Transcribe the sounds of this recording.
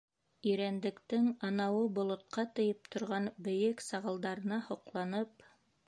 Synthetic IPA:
iɾænd̪ɘ̆kt̪ɘŋɑnɑwɤbŏlˠŏt̪̚qɑt̪ɤ̆jɤp̚t̪ʰŏɾʁɑnbɘ̆jɘksɑʁɤ̆lˠd̪ɑɾɤ̆nɑhŏqlˠɑnɤp̚

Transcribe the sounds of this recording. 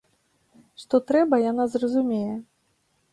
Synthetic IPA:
ʂt̪ɔt̪ɾɛbɐjanazrɐzumʲejɛ

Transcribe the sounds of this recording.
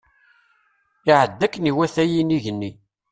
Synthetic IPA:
ɪʕəd̪ːækːəniwæθæjiniʝənːi

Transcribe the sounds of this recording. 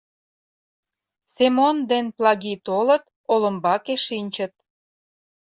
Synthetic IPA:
semond̪enplɑɣit̪olət̪ | olə̆mbɑkeʃinʲt͡ɕət̪̚

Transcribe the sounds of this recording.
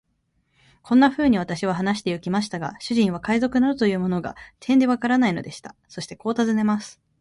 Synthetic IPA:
kʰõ̞nːaɸɯ̟ːɲ̟iβ̞at̪aɕiβ̞aɦanaɕ̬i̥t̪e̞jɯkʲimaɕi̥t̪aɡa̰ɕɨʑĩɰ̃β̞akaizo̞kɯ̟naɾɯ̟t̪o̞jɯ̟ːmo̞no̞ɡa̰t̪ʰẽ̞nd̪e̞βakaɾanainod̪e̞ɕi̥t̪aso̞ɕi̥t̪e̞ko̞ːt̪azɨne̞masɨ̥

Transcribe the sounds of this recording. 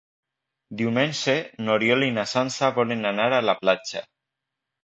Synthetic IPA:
d̪iumenʲsenoɾjolinasansaβɔlenanaɾalaplat͡ʃa̰

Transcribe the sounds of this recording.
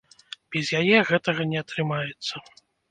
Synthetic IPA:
b̥ʲɛzʲjajɛɣɛt̪ɐɣɐnʲɛɐt̪ɾɨmajɛt̪sːɐ

